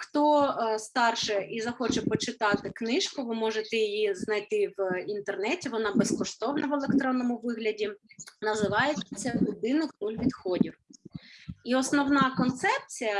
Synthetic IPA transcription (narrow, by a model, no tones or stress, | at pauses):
xt̪ɔst̪ɑrʃɛʔizɐxɔt͡ʃɛpɔt͡ʃɪt̪ɑt̪ɪknɪʃkʊʋɪmɔʒet̪ɛjijiznɐjt̪ɪʋint̪ernɛtʲiʋɔnɑbeskɔʃt̪ɔwnɐʋelˠekt̪ɾɔnːɔmʊʋɪɦlʲɐdʲinɐzɪʋɑjet͡sʲːɐlʲʊd̪ɪnɪxnulʲʋʲid̪xɔdʲiw | iɔsnɔwnɑkɔnt̪sɛp̚t͡sʲijɐ